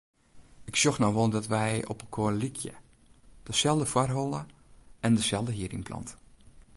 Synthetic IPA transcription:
ɪksjoxnɔwʋolˠdɔtʋɛjɔ̰pəkʰoənlikʰjə̰ | d̥əsɛlˠdəfwarɦolˠə | ɛndəsɛlˠdəɦiəɾḭnpʰlɑ̰nt

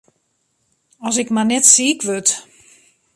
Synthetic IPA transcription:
ɔs̬ɪkmanɛtsiːkʋøt

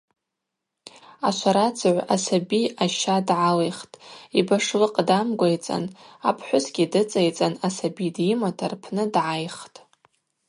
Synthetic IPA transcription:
aʃʷʰaɾat͡sʰʕʷasabiaʃadʕalejχtʼibaʂlɨqʼdamɡʷajt͡sʼa̰na̰pʰħʷʊsɡʲidɨt͡sʼajt͡sʼanasabidjɪmatʰarpʰnɨdʕajχtʼ

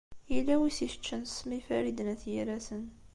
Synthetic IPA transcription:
ilːæwisiʃə̥t͡ʃːənsmifæɾid̪ənæθjiɾæsən

